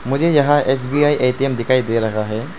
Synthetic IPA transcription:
mʊd͡ʒʱejɐɦãʔes̬biaːiʔejʈiemd̪ɪkʰaːid̪eɾɐɦaɦɛ

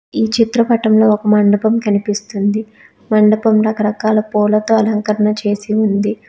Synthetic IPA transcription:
iːt͡ʃit̪ɾɐpɐʈɐmlo̞ːɔkɐmɐɳɖɐpɐmkɐnipist̪und̪i | mɐɳɖɐpɐmɾɐkɐɾɐkaːlɐpɔːlɐt̪oːɐlɐŋkɐɾɐɳɐt͡ʃe̞ːsiund̪i

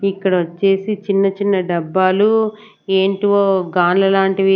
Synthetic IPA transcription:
ikːɐɽɐot͡ʃːe̞ːsit͡ʃinːɐt͡ʃinːɐɖɐbːaːlu | eːɳʈiʋoːɡaːnlɐlaːɳʈiʋi

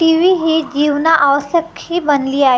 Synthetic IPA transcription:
ʈiʋiːɦed͡ʑiːʋnaʔaʋsjəkhiːbənliːaɦ

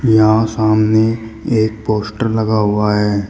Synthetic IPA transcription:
jɐɦãsaːmneeːk̚poːsʈəɾlɐɡaɦʊaɦɛː

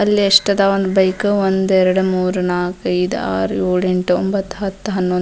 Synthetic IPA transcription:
ɐlːieʂʈɐd̪aːʋond̪ubɐjkɨʋond̪ɛɾɐɽumuːɾunaːkɐjd̪̰a̰ːɾjuːɭeɳʈo̰mbɐt̪ːɦɐt̪ːɦɐnːon

